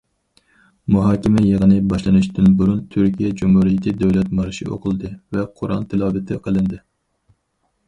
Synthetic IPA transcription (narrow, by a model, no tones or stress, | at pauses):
muɦɑːkʲimɛjeʁənɨbɑʃlˠɨnuʃd̪ynbuɾunt̪ʰyɾkʲijɛd͡ʒumhuɾijikʲid̪ɛwlɛt̪mɑɾɨʃḭo̰qʰəlˠɨd̪ɨvɛqʰʊɾʔɑ̰nt̪ʰɪlˠɑːbɪt̪ʰɪqʰəlˠɨnd̪ɨ